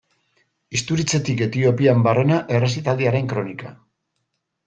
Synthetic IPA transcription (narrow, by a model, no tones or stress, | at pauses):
ist̪uɾit͡se̞t̪ike̞t̪io̞piambare̞naʔe̞resit̪ald̪iaɾe̞ŋkɾo̞nika̰